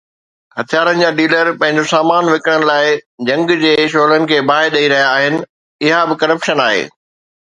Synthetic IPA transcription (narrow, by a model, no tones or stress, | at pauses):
hɐt̪ʰijaːɾənɪ̆d͡ʑaːɖiːləɾpɐ̃ɦɪ̃ɲd͡ʑosaːmaːnʋɪkəɽ̃əɽ̃ɪ̆laːɪd͡ʑɐ̃ŋɡd͡ʑeːʃ̬oːlənɪ̆kʰeːbaːɦɪɗɐiɾɐɦijaːɦɪnɪ̆ | ɪɦabɪkɐɾəpʃənaːɦḛː